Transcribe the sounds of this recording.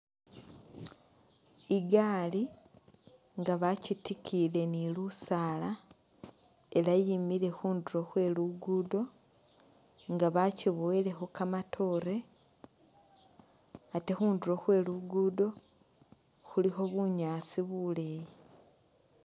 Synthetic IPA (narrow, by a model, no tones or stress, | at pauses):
iɡaːli | ŋɡaβacitikʰile̞nilusaːla | e̞lajimile̞xuːnduɾo̞xwe̞ːluɡudo̞ | ŋɡaβaciβoele̞xo̞kamatʰo̞ɾe̞ | ate̞xuːnduɾo̞xwe̞ːluɡudo̞ | xulixo̞βuɲaːsiβuleji